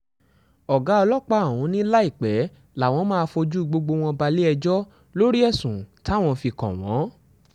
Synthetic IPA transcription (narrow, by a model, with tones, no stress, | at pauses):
ɔ˨ɡa˨˦ɔ˧lɔ˦k͡pa˧˨wũ˨˧˦nĩ˦la˦i˦˨k͡pɛ˨˦ | la˨w̃ɔ̃˧˦mã˦˧fo˧d͡ʒu˦i˧ɡ͡bo˧ɡ͡bo˧w̃ɔ̃˧ba˧le˦ɛ˧d͡ʒɔ˦ | lo˦ɾi˦ɛ˦˨sũ˨ta˦˨w̃ɔ̃˧fi˧kɔ̰̃˨w̃ɔ̰̃˨˦